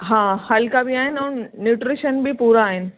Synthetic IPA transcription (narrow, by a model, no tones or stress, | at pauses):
ɦãːhɐlkabiaːɦɪnʊːnnuːʈɾiʃənbʱipuːɾaːɦɪnɪ̆